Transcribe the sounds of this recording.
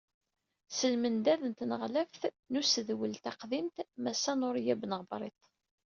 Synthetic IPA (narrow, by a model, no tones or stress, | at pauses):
səlmənd̪æðənt̪nəʁlæfθ | nusəðwəlt̪ɑqðint̪mæsːænʊɾjæbnəʁbɾˤḛt̪ˤ